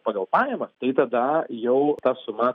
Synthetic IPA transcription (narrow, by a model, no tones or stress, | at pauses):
pɑːɡɐlˠpɑːjɛmɐt̪ɐɪt̪ɐd̪ɐjɛʊt̪ɑːsʊmɐ